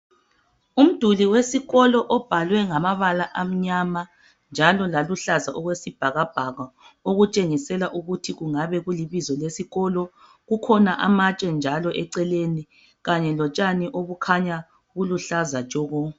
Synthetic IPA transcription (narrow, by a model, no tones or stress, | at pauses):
um̩d̥ʱuliwesiɣɔlɔʔɔb̥ʱalwɛŋamaβalaʔam̩ɲama | nd͡ʒʱalɔlaluɬazaʔɔɣwesib̥ʱaɣab̥ʱaɣaoɣut͡ʃʼeŋisɛlaʔuɣutʰiɣuŋaβɛɣuliβizɔlesiɣɔlɔ | ɣukʰɔnaʔamat͡ʃʼɛnd͡ʒʱalɔʔɛǀɛleni | ɣaɲɛlɔt͡ʃʼaniʔoβukʰaɲa | ɣuluɬazat͡ʃʼɔɣɔ